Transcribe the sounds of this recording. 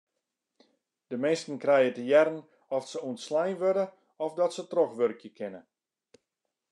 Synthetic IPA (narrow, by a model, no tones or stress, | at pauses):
d̥əmeːstən̩krɛjətəjɛɾən | ɔfsəuəntslɛjnʋødə | ɔfdɔtsətrɔxʋørkjəkʰɪnə